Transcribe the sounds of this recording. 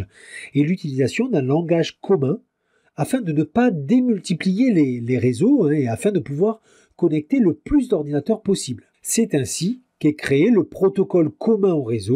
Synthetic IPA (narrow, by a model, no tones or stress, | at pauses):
elyt̪ilizasjɔ̃d̪ɛ̃lɑ̃ɡaʒkɔmɛ̃ | afɛ̃d̪ənəpad̪emylt̪iplijeleleʁezoɛ̃eafɛ̃d̪əpuvwaʁ | kɔnɛk̚t̪eləplys̬d̪ɔʁd̪inat̪œʁpɔsibl | sɛt̪ɛ̃sikɛkχeeləpχɔt̪ɔkɔlkɔmɛ̃oʁezo